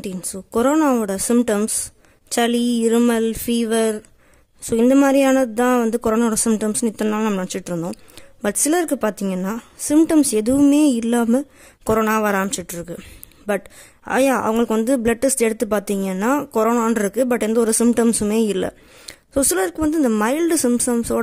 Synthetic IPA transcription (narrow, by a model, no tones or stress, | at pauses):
ʈinsoːkɔɾoːnaːʋɔɽɐsɪmpʈɐms | t͡ʃɐliɪɾɯmɐlfiːʋɐɾ | soːɪnd̪ɐmaːd̪ɾɪjaːnɐðɯt̪ãːʋɐnd̪ɯkɔɾoːnaːʋɔɽɐsɪmʈɐmsnɯɪt̪ːɐnaːlɐnɐmːɐnɐɽɐt͡ʃːɪʈːɾɯnd̪õːbɐʈsɪlɐɪɾɯkːɯpaːɾt̪iːŋɡɐnːaː | sɪmʈɐmsɛðɯʋɯmeːɪlːaːmɛ | kɔɾoːnaːʋɐɾaːmt͡ʃːɪʈːɪɾɯkːɯ | bɐʈ | a̰ːjaːʔɐ̰ʋɐŋɡɐɭɯkːɯʋɐnd̪ɯblɐʈːɪsʈɛɽɯt̪ːɯpaːɾt̪iːŋɡɐnːaːkɔɾoːnaːnɪɾɯkːɯbɐʈːɛnd̪ɐɔɾɯsɪmʈɐmsɯmeːɪlːɐ̰ | soːsɪlɐɪɾɯkːɯʋɐnd̪ɯɪnd̪ɐmɐɪlɖsɪmʈɐmsoː